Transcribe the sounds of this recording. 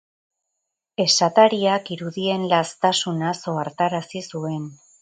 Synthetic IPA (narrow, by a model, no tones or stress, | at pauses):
e̞sat̪aɾiakiɾuðie̞nlast̪asunaso̞aɾt̪aɾasisue̞n